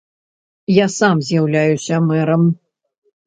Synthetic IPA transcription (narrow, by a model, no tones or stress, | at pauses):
jasamzʲjawlʲajusʲɐmɛɾɐm